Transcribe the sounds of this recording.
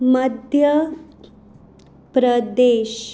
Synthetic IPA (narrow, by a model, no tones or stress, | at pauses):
məd̪ʱjə | pɾəd̪eːɕ